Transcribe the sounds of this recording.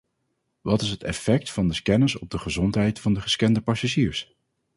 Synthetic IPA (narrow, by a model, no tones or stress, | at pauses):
ʋɑtɪsɦətɛ̰fɛk̚tfɑndəkɛnəsɔb̚dəχəzɔntɦɛjtfɑndəχə̥skɛndəpɑsaʒiːɹs